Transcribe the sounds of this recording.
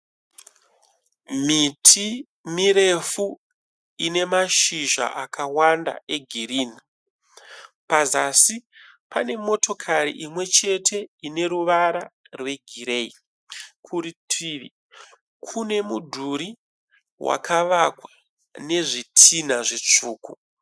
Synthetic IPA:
mitʰi | miɾe̞fu | ine̞maʃiʒa̰ʔakʰawanda̰ʔe̞ɡʱiriːni | pazasi | pane̞mo̞to̞kʰaɾḭʔimwe̞t͡ʃe̞tʰe̞ine̞ɾuʋaɾa | rwe̞ɡʱiɾei | kʰuɾitʰiːʋi | kʰune̞mudʱuɾi | wa̰kʰaʋakwa | ne̞ʐitʰinaʐet͡ʂuːku

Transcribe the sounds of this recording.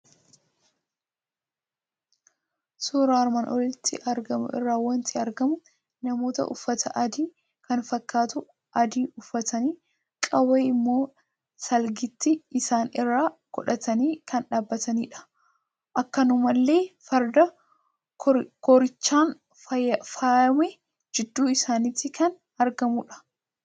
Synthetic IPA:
suːɾaːɾmaːnʔɔlɪt̪ːɪʔɐɾɡɐmʊ̰ɪ̰rːaːwɐnt̪ʰɪɐɾɡɐmʊ | nɐmo̞ːt̪ɐ̰ʔʊ̰fːɐt̪ʰɐʔɐd̪iː | kɐnfɐkːaːt̪ʊ | ʔɐd̪iːʔʊfːɐt̪ɐniː | kʼɐweːɪmːo̞ː | sɐlɡɪt̪ːɪɪsaːnɪrːaːɡ̥ɔᶑɐt̪ɐniːkɐnᶑaːbːɐt̪ɐnḭːᶑɐ̥ | ʔɐkːɐnʊmɐlːe̞ːfɐɾd̪ɐ | kɔɾɪt͡ʃːaːn | ɐfaɐmɛ | d͡ʒɪd̪ːuːɪsaːnɪt̪ːɪkʰɐn | ɐɾɡɐmʊᶑɐ̥

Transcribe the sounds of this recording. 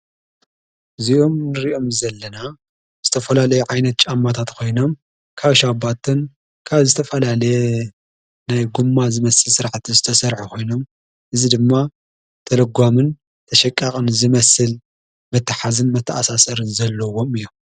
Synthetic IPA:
ʔɨziomnɨɾiʔo̞mzɐlːɐna | z̥ɨt̪ʰɐfɐlalɐjuʕajnɐt̪̚t͡ʃʼamːat̪ʰat̪kʰo̞jno̞m | kʰaβʃabat̪ʰɨn | kʰaβzɨt̪ʰɐfɐlalɐje | najɡumːazɨmɐsɨlsɨɾaʕt̪ʰizɨt̪ʰɐsɐɾħukʰo̞jno̞m | ʔɨzid̪ɨmːa | t̪ʰɐlɐɡʷamɨn | t̪ʰɐʃɐkʼːakʼɨnzɨmɐsɨl | mɐt̪ʰːɨħazɨnmɐt̪ʰːɐʔasasɐɾɨnzɐlːɐwo̞mɨjːom

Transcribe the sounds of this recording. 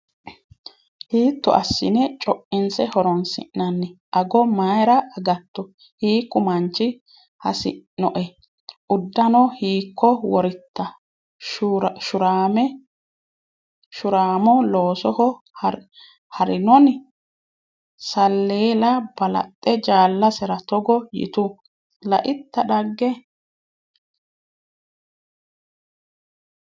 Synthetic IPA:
hiːt̪ːɔ̰ʔɐsːɪ̰nɛt͡ʃʼɔʔɪnsɛhɔɾɔnsɪ̰ʔnːɐnːɛʔɐɡɔmaːjɾɐɐɡɐt̪ːɔ | hiːkːʊmɐnt͡ʃːɪ | hɐ̰sɪ̰nɔʔɛ | ʔʊd̪ːɐnɔhiːkːɔwɔɾɪt̪ːɐ | ʃʊɾaːmɛ | ʃʊɾaːmɔloːsɔhɔ | hɐɾɪnɔn | sɐlːeːlɐb̥ɐlɐ̰t̪ʼːɛd͡ʒaːlːɐsɛɾɐt̪ɔɡɔjɪ̰t̪ʊ | lɐʔɪt̪ːɐɗɐɡːɛ

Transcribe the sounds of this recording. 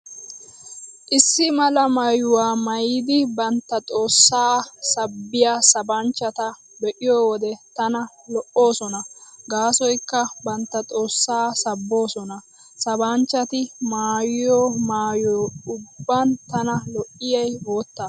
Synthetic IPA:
ʔɪsːɪmɐlɐmɐjʊwaːmɐjid̪ɪbɐnt̪ːɐtʼo̞ːsːaːsɐbːɪjaːsɐbɐnt͡ʃːɐt̪ɐ | bɛʔɪjoːwɔd̪ɛt̪ɐnɐ | lɔʔːo̞ːsɔnɐɡaːsɔjkːɐbɐnt̪ːɐt̪ʼo̞ːsːaːsɐbːo̞ːsɔnɐ | sɐbant͡ʃːɐt̪ɪmaːjɪjoːmaːjoːʊbːɐnt̪ɐnɐlɔʔɪjɛjwo̞ːt̪ːɐ

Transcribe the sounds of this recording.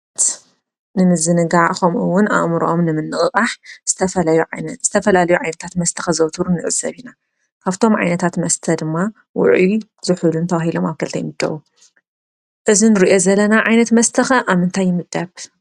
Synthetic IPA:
t̪ | nɨmɨzɨnɨɡaxɐmɨwːʊna̰ʔmɾʔomnɨmɨnːɨχʼɨkʼaħz̥ɨt̪ʰɐfɐlɐjuʕanz̥ɨt̪ʰɐfɐlalɐjuʕajnɐt̪ʰat̪mɐst̪ʰɐ̥xɐzɐwt̪ʰuɾunɨʔɨsɐ̰βina | kʰaβt̪ʰo̞mʕa̰jnɐt̪ʰat̪mɐst̪ʰɐd̪ɨmːa | wʊ̰ʕi | z̥ɨħulunt̪ʰɐwahilo̞maβkʰɐlt̪ʰɐjmɨd̪ʼːɐ̰βu | ʔɨzinɨɾiʔo̞zɐlːɐnaʕajnɐt̪mɐst̪ʰɐxɐʔaβmɨnt̪ʰajːɪmɨd̪ːɐβ

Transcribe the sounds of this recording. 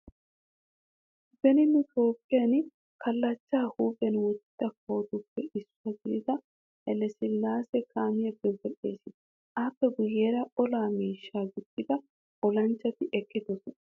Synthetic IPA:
bɛnɪnʊt̪o̞ːpʼːɪjɐn | kʰɐlːɐt͡ʃːaːhuːbɛnwɔt͡ʃːɪt̪ːɐkʰo̞ːt̪ʊpːɛʔɪsːʊɐɡɪɪd̪ɐ | ɛlɛsɪlːaːsɛkʰaːmɪjɐbːɛbɛɗe̞̰ːsɪ | apːɛɡʊjeːɾɐʔɔlaːmiːʃːaːɡʊt͡ʃːɪd̪ɐ | ʔɔlɐnt͡ʃːɐt̪ɪʔɛkʼːɪd̪ɔsɔnɐ

